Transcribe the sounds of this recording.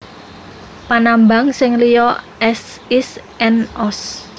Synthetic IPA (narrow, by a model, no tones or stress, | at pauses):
panamba̤ŋsɪŋlijɔʔɛs | is | ɛnɔs